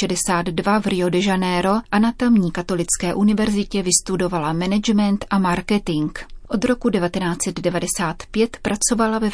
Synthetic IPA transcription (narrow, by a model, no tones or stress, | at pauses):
ɛdɛsaːd̪dvavɾɪodɛʒanɛːɾo̞ʔanat̪amɲiːkat̪o̞lɪt͡skɛːʔunɪvɛɾzɪcɛvɪst̪udo̞valamɛnɛd͡ʒmɛnt̪ʔamaɾkɛt̪ɪŋkʔod̪ɾo̞kudɛvat̪ɛnaːt͡sɛd̪dɛvadɛsaːt̪pjɛt̪pɾat͡so̞valavɛ